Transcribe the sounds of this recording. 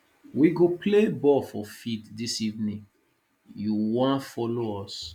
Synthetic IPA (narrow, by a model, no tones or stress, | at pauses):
wiɡoplebɔfɔfiddisivnĩŋ | juwɔ̃nfɔloɔs